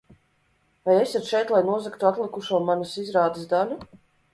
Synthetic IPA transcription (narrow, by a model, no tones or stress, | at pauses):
vajesʲat̪ʃɛjt̪lˠajnuɔzakt̪uat̪lˠikuʃuɔmanusizɾaːd̪ɨsd̪alʲu